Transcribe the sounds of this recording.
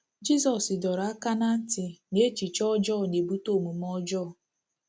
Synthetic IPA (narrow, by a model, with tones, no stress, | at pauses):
d͡ʒi˦sɔ˨sɪ˨dɔ˨ɾa˦ka˦na˦n̩˦tɪ˨ne˦t͡ʃi˨t͡ʃɔ˦d͡ʒɔ˦˨ne˨bu˦to˦˨mu˨m˦ɔ˦d͡ʒɔ˦˨